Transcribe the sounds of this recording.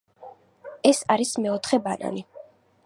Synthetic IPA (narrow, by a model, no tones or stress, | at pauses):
ɛsaɾismɛɔt̪ʰχɛbana̰ni